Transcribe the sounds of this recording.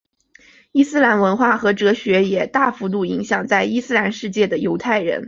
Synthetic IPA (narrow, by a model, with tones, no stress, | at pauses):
i˥˧sɹ̩˥la˧˥nwə˧˥nxwa˥˩xɤ˧˥ʈ͡ʂɤ˧˥ɕɥɛ˧˥jɛ˨˩t̪a˥˩fu˧˥t̪u˥˩i˧˥ŋɕjɑ˨˩ŋt͡sa˥˧ɪi˥˧sɹ̩˥˧la˧˥nʂɻ̩˥˧t͡ɕjɛ˥˩d̪ə˩jo˧˥ʊt̪ʰa˥˩ɪɻə̰˧˥n